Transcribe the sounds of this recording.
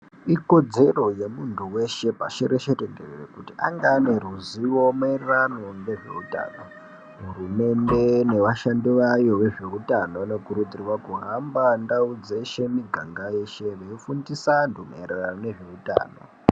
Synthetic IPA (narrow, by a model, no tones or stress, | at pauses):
iko̞d͡ze̞ro̞je̞muntʰuwe̞ʃe̞paʃeɾeʃereɡererḛkutiʔaŋɡaːne̞ɾuziwo̞maererano̞ŋɡe̞ʐe̞̰uta̰ːno | ɦurume̞nde̞ne̞ʋaʃandiʋajo̞ʋe̞ʐe̞utanonekuɾud̪ʱiriwakuɦambandaud͡zeʃe̞miɡʱaŋɡaje̞ʃe̞ʋeifundisanduma̰ereranone̞ʐe̞uta̰ːno̰